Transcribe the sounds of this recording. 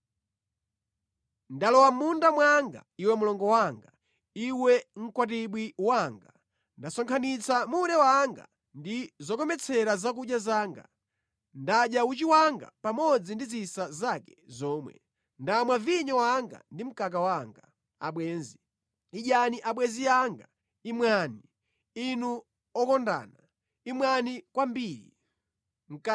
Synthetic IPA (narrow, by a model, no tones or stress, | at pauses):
ndalɔwamundamwaŋɡa̰iwɛmulɔŋɡɔwaŋɡa | iwɛŋ̩kwat̬iɓwiwaŋɡa | ndasɔŋkʰanit͡sʰamuɾɛwaŋɡa̰ | ndizɔkɔmɛt͡sʰɛɾazak̬uɗjazaːŋɡa̰ | ndaɗjaut͡ʃiwaŋɡa̰pamɔd͡zindizisazakɛ̥zɔːmwɛ̰ | ndamwaviɲɔwaŋɡa̰ndim̩kak̬awaŋɡa | a̰ɓwɛːnzi | iʄaniʔaɓwɛziaŋɡa | imwaːni | inu | ɔkɔnda̰ːna | imwanikwambiːɾḭ | m̩k